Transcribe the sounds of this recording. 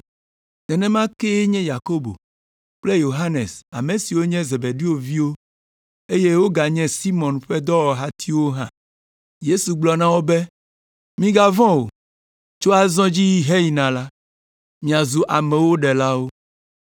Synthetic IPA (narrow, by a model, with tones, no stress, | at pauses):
nɛ̃˨nɛ̃˦mã˦ke˦ɲɛ̃˦ja˨ko˦bo̰˨ | k͡ple˦jo˨ɦa˦nḛ˨sa̰˨mẽ˨si˨wo˦ɲɛ̃˦ze˨be˨ɖi˦wo˦vi˦wo˦ | e˦je˦wo˦ɡa˨ɲɛ̃˦si˦mɔ̃˨nɸɛ˦d̪ɔ˦wɔ˨ɦa˦t̪ʰi˦wo˦ɦã̰˦ | je˦su˨ɡ͡blɔ˨nã˦wo˦be˦ | mĩ˦ɡa˦vɔ̃˦wo̰˨ | t͡ʃo˦a˨zɔ̃˦d͡ʑi˦ji˦ɦɛ˦ji˨nã˨la˦ | mĩ˨a˨zu˨ʔa˨mɛ̃˨wo˦ɖɛ˨la˦wo˦